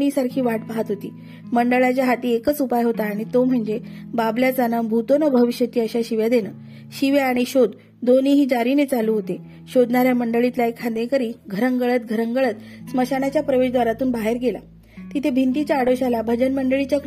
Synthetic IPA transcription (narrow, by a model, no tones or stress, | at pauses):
nisaɾkʰiːʋaʈpaɦət̪ɦot̪ḭː | məɳɖəɭat͡ɕjaɦat̪iːekət͡supajɦot̪aːɽ̃it̪om̤əɳd͡ze | babljat͡sanəbʱut̪onəbʱəʋiɕjət̪iːəɕaɕiʋjad̪enəː | ɕiʋeaɽ̃iɕod̪ː | oniːɦiːd͡ʑaɾinet͡saluːɦot̪e | ɕod̪naɾjaməɳɖəɭit̪laekʰad̪ẽkəɾiːɡʱəɾəŋɡəɭət̪̚ɡʱəɾəŋɡəɭət̪sməɕaɽat͡ɕjapɾəʋeɕd̪ʋaɾat̪uːnbaɦeɾɡela̰ | t̪it̪ʰebʱint̪it͡ɕjaːɽoɕalabʱəd͡ʑənməɳɖəɭit͡ɕjak